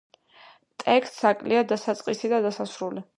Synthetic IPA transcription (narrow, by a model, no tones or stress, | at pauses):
t̪ʼɛkst̪sakʼliad̪asat̪sʼqʼisid̪ad̪asasɾuli